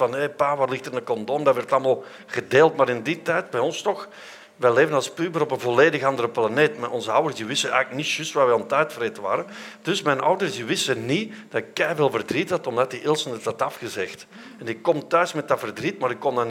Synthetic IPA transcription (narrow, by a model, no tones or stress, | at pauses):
vɑnɦejpaːʋaːrlɪxtəɪnətkɔndoːmdɑtʋɛrtɑlˠmalˠ | ɣədeːlˠtmaːɾɪnditɛjt̚bɛjɔnstɔx | ʋɛleːvənɑlˠspyːbəɾɔpənvɔleːdəɣɑndərəplaneːtmaʔɔnzəɑwərsdiʋɪstənɛ̰jɣləknitʃʏstʋaːrʋɛɔntɛɥtfreːtəʋa̰ːɾəd̥ɵsmɛjnʔɑ̰wdərsdiʋɪstənid̥ɑtɪkːɛjveːlˠvərdrithɑtɔmdat̚diʔɪlˠsənətɑtɑfɣəzɛxt | ɛnɪkːɔmtœɥsmɛt̚dɑtfərdritmaːɾɪkːɔndan